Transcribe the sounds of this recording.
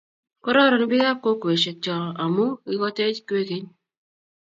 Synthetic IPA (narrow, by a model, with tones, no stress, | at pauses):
kɔ˦ɾɔ˦ɾɔ˨n˦bɪ˦ja˦p̚ko˦ke˨ʃe˨t͡ʃɔ˨a˨mu˦ɪ˦kɔ˦te˦t͡ʃke˦ke˦ɲ